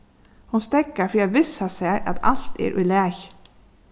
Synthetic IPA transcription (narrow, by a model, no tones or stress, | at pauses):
hʊnst̪ɛkəfiːɑʋɪsɑseːʔɑ̰t̪ʰɑ̰lt̪ḛːɾʔʉlæːç